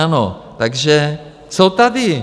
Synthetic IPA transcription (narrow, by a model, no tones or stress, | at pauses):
anot̪aɡʒɛ | t͡sot̪adɪ